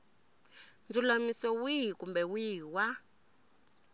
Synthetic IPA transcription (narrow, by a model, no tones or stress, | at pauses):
nd͡zulamisɔwiɦikumbɛwiːwa